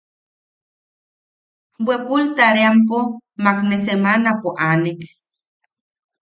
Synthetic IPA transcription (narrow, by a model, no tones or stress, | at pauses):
bwekult̪aɾeampomaknes̬emanapoʔanek